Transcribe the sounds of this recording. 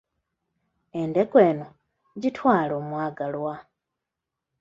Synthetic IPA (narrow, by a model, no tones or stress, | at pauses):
e̞nde̞koe̞ːno̞ | ɟitʰwaːlo̞ːmwaːɡalwa